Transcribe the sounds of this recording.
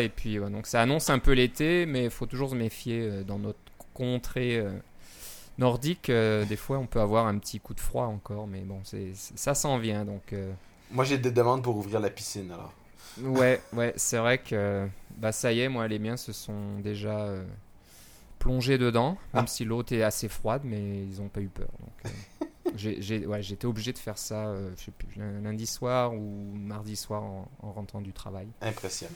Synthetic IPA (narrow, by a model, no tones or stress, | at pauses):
epɥiwɛd̪ɔ̃ksaːnɔ̃sɛ̃pølet̪emɛifot̪uʒuʁsəmefjeød̪ɑ̃nɔt̪χəkɔ̃t̪χeø | nɔʁd̪ikød̪efwaɔ̃pøavwaʁɛ̃pət̪ʰikud̪əfχwaɑ̃kɔʁmɛbɔ̃sɛsɛsasɑ̃vjɛ̃d̪ɔ̃kø | mwaʒed̪ed̪əmɑ̃d̪̚puʁuvʁiʁlapisinalɔ̰ːʁ | wɛwɛsɛvʁɛkʰøbasajɛmwalemjɛ̃səsɔ̃d̪eʒaø | plɔ̃ʒed̪əd̪ɑ̃mɛmsilott̪ɛasefχwad̪mɛilzɔ̃paypœ̰ːʁd̪ɔ̰̃kø̰ʒeʒewɛʒeːt̪eɔbliʒed̪əfɛʁsaøəʃepylɛ̃lɛ̃d̪iswaʁumaʁd̪iswaʁɑ̃ɑ̃ʁɑ̃t̪χɑ̃d̪yt̪χavajɛ̃pχesjab